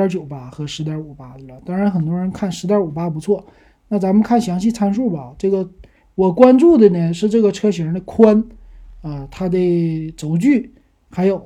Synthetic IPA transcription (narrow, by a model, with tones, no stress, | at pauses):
ə˧˥t͡ɕjo˨˩ʊpa˥xɤ˧˥ʂɻ̩˧˥t̪jɑ˧˥u˨˩pa˥d̪ə˨˩lə˩t̪ɑ˥ŋɻa˧˥nxə˨˩nt̪̬wɔ˥ɻə˧˥nkʰa˥˩nʂɻ̩˧˥t̪jɑ˞˧˩u˨˩pa˥p̬u˧˥t͡sʰwɔ˥˩ | na˥˩t͡sa˧˥mə˨nkʰa˥˩nɕjɑ˧˥ŋɕi˥˩t͡sʰa˥nʂu˥˩bə˨˩˨ʈ͡ʂɤ˥˩ɡə˩ | wɔ˨˩kwa˥nʈ͡ʂu˥˩d̪ə˩nə˧ʂɻ̩˥˧ʈ͡ʂɤ˥˩ɡə˩ʈ͡ʂʰɤ˥ɕɥɛ˧˥ɻə˧˥nd̪ə˧kʰwa˥n | ə˧t̪ʰa˥d̪ə˧˩t͡so˧˥ʊt͡ɕy˥˩ | xa˧˥ɪjo˨˩ʊ